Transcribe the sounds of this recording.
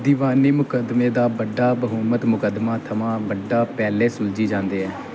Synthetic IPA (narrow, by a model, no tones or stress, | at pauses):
d̪iːʋaːniːmʊkəd̪meːd̪aːbəɖːaːbəɦʊːmət̪mʊkəd̪maːt̪ʰəmãːbəɖːaːpɛːleːsʊld͡ʒiːd͡ʒãːnd̪eːɦɛː